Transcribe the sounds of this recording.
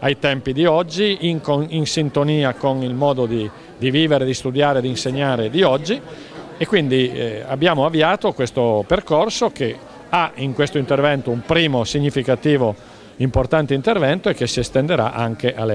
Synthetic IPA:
ajt̪ɛmpid̪iɔd͡ʒːiiŋkoinsint̪oniːakonilmɔːd̪od̪i | d̪iviːveɾed̪ist̪ud̪jaːɾed̪inseɲːaːɾed̪iɔd͡ʒːi | ekːwind̪ia̰bːjaːmoavːiaːt̪okwest̪operkorsoke | aiŋkwest̪oint̪ervɛnt̪oumpɾiːmosiɲːifikat̪iːvo | import̪ant̪eint̪ervɛnt̪oekːesiest̪end̪eɾa̰ʔaŋk̟eʔalɛ

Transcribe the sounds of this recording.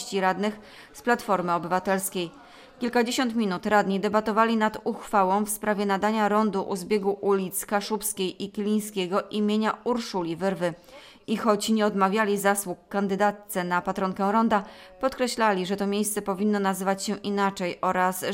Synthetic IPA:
t͡ɕiɾad̪nɘx | splat̪fɔɾmɘɔbɘvat̪ɛlskʲej | kʲilkad͡ʑeɕɔnt̪mʲinut̪ɾad̪ɲid̪ɛbat̪ɔvalʲinad̪uxfawɔ̃w̃fspɾavʲɛnad̪aɲaɾɔnd̪uʔuzbʲjeɡuʔulʲit̪skaʂupskʲejikʲilʲij̃skʲeɡɔʔimʲjeɲauɾʂulʲivɘɾvɘ | ixɔt͡ɕɲɛɔd̪mavʲjalʲizaswukːand̪ɘd̪at̪sɛnapat̪ɾɔŋkɛ̃wɾɔnd̪apɔt̪kɾɛɕlalʲiʐɛt̪ɔmʲjejst̪sɛpɔvʲinːɔnazɘvat͡ɕɕɛʔinat͡ʂɛjɔɾas

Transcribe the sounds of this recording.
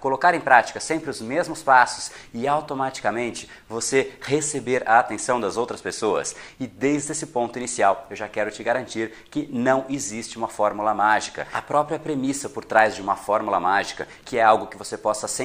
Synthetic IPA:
kolokaɾẽj̃pɾat͡ʃi̥kɐsẽmpɾɪʊzmezmʊspasʊ̥sɪawt̪omat͡ʃi̥kɐmẽnt͡ʃɪ̥ | vosehesebeɾɐat̪ẽsɐ̃w̃d̪ɐzowt̪ɾɐspesoɐ̰sɪd̪ejzd̪esɪpõnt̪ʊinisiawewʒakɛɾʊt͡ʃɪɡaɾɐ̃nt͡ʃiɾ | kɪnɐ̃w̃ezist͡ʃɪũmɐfɔɾmulɐmaʒikɐ̰ɐpɾɔpɾiɐpɾemisɐpoɾt̪ɾazd͡ʒɪũmɐfɔɾmulɐmaʒikɐ | kɪɛawɡʊkɪvosepɔsɐsẽ

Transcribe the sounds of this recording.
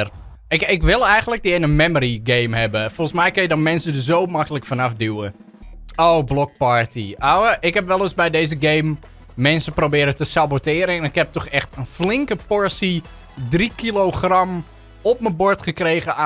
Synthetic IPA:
ɪkɪkʋɪlˠɛjɣəndlək̚dɪɪnənmɛmoɾiɡejmɦɛbəfɔlˠsmɛjkənjədɔnmɛnsədəszoːmakəlˠəkfanafduwə | oːblɔk̚paɹtḭawəʔɪkɦɛpʋɛlˠəsbɛjdeːzəɡeːmː | ɛnsəprowbɪːɾətəsabotɪːɾəɛnɪkhɛp̚tɔxɛxtənflɪŋkəpɔɹsi | drikiloχram | ɔpməbʊɹtχəkreːɣəa

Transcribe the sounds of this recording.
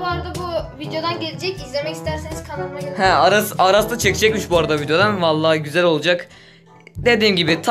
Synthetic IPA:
aɾad̪abuvid̪jo̞d̪anɟelʲed͡ʒɛcizlʲemɛcist̪ʰæɾseniz̥kʰananˠaɡehɛaɾasaɾasd̪at͡ʃʰecid͡ʒɛcʲmiʃbuaɾad̪avid̪jo̞d̪anvalˠːaːɟyzælʲo̞lˠud͡ʒak | d̪e̞d̪iːmɟibit̪ʰ

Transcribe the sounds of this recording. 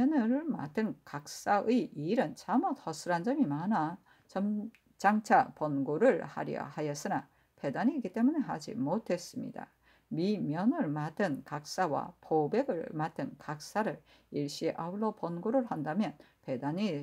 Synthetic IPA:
ʌnɯɾɯɭmadɯnkak̚s͈aɯiʔiːɾɯnt͡ɕʰamuthʌsʰɯɾand͡ʑʌmimana | t͡ɕʌm | t͡ɕaŋt͡ɕʰapʌnɡoɾɯɭha̰ɾjʌ̰hajʌs͈ɯna | pe̞daɲiɡit͈e̞muneɦad͡ʑḭmotʰe̞s͈ɯmɲḭd̥a̰ | mimjʌnɯɭmadɯnkak̚s͈awa̰pobe̞ɡɯɭmad̚tɯnkak̚s͈aɾɯɭ | iɭɕ͈iʔauɭːʌpʌnɡoɾɯɭhandamjʌn | pe̞daɲi

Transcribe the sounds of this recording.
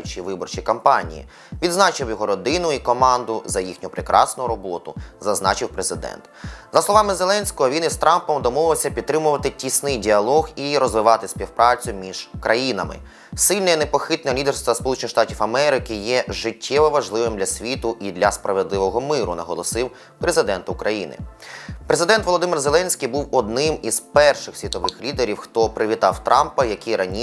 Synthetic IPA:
t͡ʃʲiʋɪbɔrt͡ʃikɐmpɑnʲḭjḭ | ʋʲid̪znɑt͡ʃɪwjɔɦɔɾɔd̪ɪnʊikɔmɑnd̪ʊzɐjixnʲʊpɾɪkɾʔɑsnʊɾɔbɔt̪ʊzɐznɑt͡ʃɪwpɾezɪd̪ɛ̰nt̪zɐslˠɔʋɑmɪzelˠɛnʲsʲkɔɦɔʋʲinɪst̪ɾɑmpɔmd̪ɔmɔʋɪwsʲɐpʲid̪̚t̪ɾɪmʊʋɐt̪ɪtʲisnɪjdʲiɐlˠɔɣiɾɔzʋɪʋɑt̪ɪsʲpʲiwpɾʔɑt͡sʲʊmʲiʒ̥kɾʔɐjinɐmɪ̰ | sɪlʲnɛinepɔxɪt̪nɛlʲid̪erst̪ʋɐspɔlˠut͡ʃɪnɪxʃt̪ɑtʲiwɐmɛɾɪkɪjɛʒɪtʲʰːɛʋɔʋɐʒlˠɪʋɪmdlʲɐsʲʋʲit̪ʊʔid̪lʲɐspɾɐʋed̪lˠɪʋɔɦɔmɪɾʊ̰nɐɦɔlˠɔsɪw | pɾezɪd̪ɛnt̪ʊʊkɾʔɐjinɪ̰pɾezɪd̪ɛnt̪ʋɔlˠɔd̪ɪmɪrzelˠɛnʲsʲkʲijbuwɔd̪nɪmiz̥pɛrʃɪxsʲʋʲit̪ɔʋɪxlʲid̪eɾʲiwxt̪ɔpɾɪʋʲit̪ɑwt̪ɾɑmpɐjɐkʲiɾɐnʲi

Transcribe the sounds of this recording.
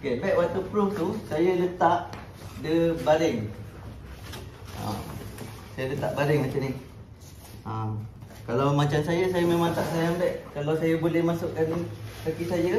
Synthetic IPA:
okebɛʔwat̪upɾuft̪usajələt̪aʔ | dəbalɪŋ | a̰m | sajələt̪a̰ʔbalɪŋmat͡ʃanɪh | ʔam | kalawmat͡ʃamsajasajamemat̪aʔsajambɛʔkalawsajəbolɛhmasʊʔkansəkisajə

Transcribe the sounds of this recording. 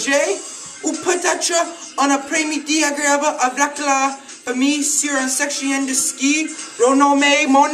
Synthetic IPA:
ʒe | upʰətat͡ʃə | ɔ̃nəpʰɹɛ̃midiaɡɹeabəʔəblakla | pəmisiɹãnsɛkʃə̃nɛ̃ndəskiɹonɔmemɔ̃n

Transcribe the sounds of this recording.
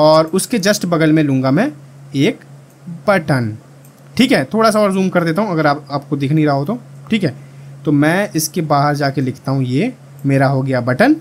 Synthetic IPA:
ɔːɾʊsked͡ʒɐsʈbɐɡəlmẽlũːŋɡamẽ | eːk | bɐʈən | ʈʰiːkɦɛːt̪ʰoːɽasaɔːɾzuːmkɐɾd̪eːt̪aɦũɐɡəɾaːpaːp̚kod̪ɪːkʰniɾaɦaɦoːt̪oːʈʰiːkɦɛːt̪omɛ̃ːɪskebaːɦəɾd͡ʒaːkelɪkʰt̪aɦũje | meːɾaɦoɡɐjabɐʈən

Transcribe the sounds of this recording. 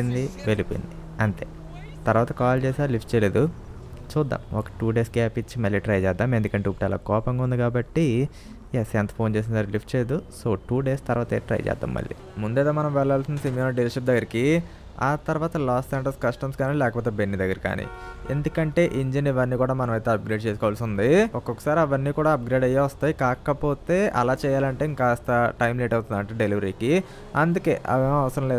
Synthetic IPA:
ind̪iʋe̞lipoːjḭnd̪i | ɐɳt̪e̞̰ː | t̪ɐɾʋaːt̪ɐkaːlt͡ʃeːsaːɾlipʰʈ̚t͡ʃɛjleːd̪u | t͡ʃuːd̪ːa̰ːmɔkɐ̥ʈuːɖe̞ːskaːpit͡ʃːimɐlːiʈɾɐjt͡ʃɛːd̪ːaːmend̪ukɐɳʈeːupːʈɛla̰ːkɔːpɐŋɡaund̪ikaːbɐʈːi | jesent̪ɐ̥pʰoːnt͡ʃes̬inɐsaːɾlip̚ʰʈt͡ʃeːjed̪usoːʈuːɖeːst̪ɐɾʋaːt̪eːʈɾɐ̰jt͡ʃɛ̰ːd̪ːa̰ːmːɐ̰ɭːḭ | mund̪eːt̪aːmɐnɐmʋɛɭːaːlsind̪ɐsimjonɐɖelʃɐp̚d̪ɐɡːɐɾiki | aːt̪ɐɾuʋaːt̪ɐlaːsseːɳʈɐɾskɐsʈɐmskaːnilɛːkɐpoːt̪ebenːid̪ɐɡːɐɾika̰ːnḭḛnd̪ukɐɳʈe̞ːʔiɲd͡ʒɐniʋɐnːiːkuːɽaːmɐnɐmɐjt̪eːɐp̚ɡɾeːɖ̚t͡ʃeːskɔːʋaːlsund̪iɔkːɔkːɐ̥saːɾiɐʋɐnːiːkuːɽaːɐp̚ɡɾeːɖɐjaːʋɐst̪aːjikaːkɐpo̞ːt̪e̞ːʔɐ̰laːt͡ʃɛːjaːlɐɳʈeiŋkaːst̪ɐʈɐjmleːʈɐwt̪und̪ɐɳʈeɖeliʋɐɾiːki | ɐ̰nd̪uke̞̰ːʔɐ̰ʋeːɐʋɐsɐɾɐmleː

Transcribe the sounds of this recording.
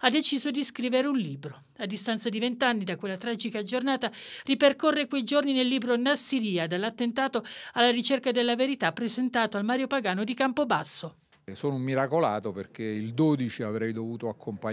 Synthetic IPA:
ad̪ːet͡ʃiːzod̪iskɾiːveɾeunliːbɾo | ad̪ːist̪ant̪sad̪ivent̪anːid̪akwelːat̪ɾaːd͡ʒikad͡ʒornaːt̪ariperkorːekwejd͡ʒorninelːiːbɾonasiɾiːad̪alːat̪ːent̪aːt̪oalːaɾit͡ʃerkad̪elːaveɾit̪apːɾezent̪aːt̪oalmaːɾjopaɡaːnod̪ikampobasːo | soːnumːiɾakola̰ːt̪operk̟eild̪oːd̪it͡ʃiavɾɛjd̪ovuːt̪oakʰːompa

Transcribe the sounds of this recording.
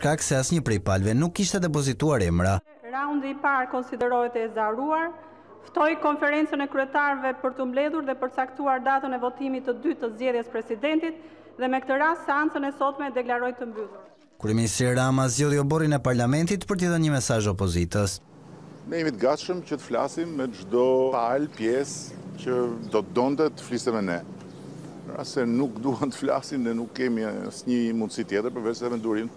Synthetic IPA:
ʃkaksɛasɲəpɾɛpalvɛnukːiʃt̪ɛd̪ɛp̬ɔzit̪uaɾɛmɾa | ɾaund̪iːpaɾkɔnsid̪ɛɾɔɛt̪ɛːzaɾuaɾ | ft̪ɔjkɔnfɛɾɛnt͡sənɛkɾyɛt̪aɾvɛpəɾt̪əmblɛðuɾðɛpəɾt̪ət͡sakt̪uaɾd̪at̪ənɛvɔt̪imit̪ːəd̪yt̪ːəzd͡ʑɛðjɛspɾɛsid̪ɛnt̪it̪ | ðɛmɛkt̪əɾast̪sɛant͡sənɛsɔt̪mɛd̪ɛklaɾɔjt̪əmbyðuɾ | kuɾɛminist̪ɾiaɾamazd͡ʑɛðiɔbɔɾinɛpaɾlamɛnt̪it̪pəɾt̪əjɛðənɲəmɛsaʒɔpɔzit̪əs | nɛɛmit̪əɡat̪ʃəmcət̪ə̥fla̰simːɛʒd̪ɔaalpjɛscəd̪ɔt̪əd̪ɔnt̪ɛt̪ə̥flisɛmɛnɛ | ɾa̰sɛnukd̪uhant̪ə̥fla̰sinnɛnukːɛmiə̰sɲəmund̪sit̪jɛt̪əɾpəɾvɛt͡ʃsɛmɛnd̪uɾim

